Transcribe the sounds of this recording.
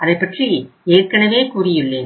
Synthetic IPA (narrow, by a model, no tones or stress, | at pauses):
ʔɐðɐɪpːɐʈrieːrkɐɳɐʋeːkuːrɪjɪɭːeːn